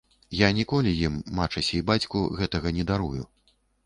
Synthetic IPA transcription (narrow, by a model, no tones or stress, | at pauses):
janʲikɔlʲijimːat͡ʂɐsʲɐibat͡sʲkuɣɛt̪ɐɣɐnʲɛd̪aɾujṵ